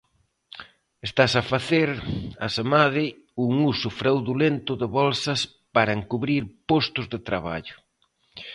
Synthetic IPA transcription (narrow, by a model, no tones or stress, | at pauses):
est̪asafaθeɾa̰semaðɪ | uŋusʊfɾawðulent̪ʊðɪβɔlsɐs | paɾɐeŋkuβɾiɾpɔst̪ʊzðɪt̪ɾaβa̰ʎʊ̥